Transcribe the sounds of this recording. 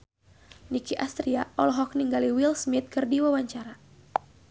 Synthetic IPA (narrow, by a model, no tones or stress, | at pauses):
nikiʔast̪ɾiaʔɔlɦɔk̚niŋɡaliwilsmit̪̚kɨrdiwawaɲt͡ʃaɾa